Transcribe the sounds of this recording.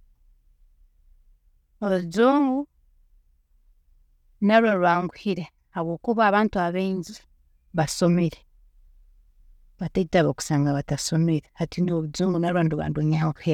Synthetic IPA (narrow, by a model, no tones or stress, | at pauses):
oβuzuːŋɡu | naɾwaɾwaːŋɡuhiɾe | haβwo̞ːkuβaːβaːntuaβeːɲzi | βasomiɾe | βataitaβoku̥saːŋɡaβatasomiɾehatinioβuzuːŋɡunaɾwaːnduβa̰ːndoɲahoku̥hi